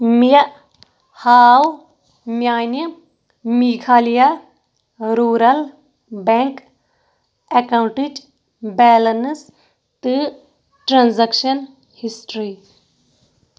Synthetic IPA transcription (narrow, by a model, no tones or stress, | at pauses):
mijɐ | haːw | mjaːni | mikʰaːlija | ɾuːɾɐl | beŋk | ekawɳʈid͡ʒ | bɛːlɐns | t̪ɨ | ʈɾãnzɐkʃɐn | hisʈɾi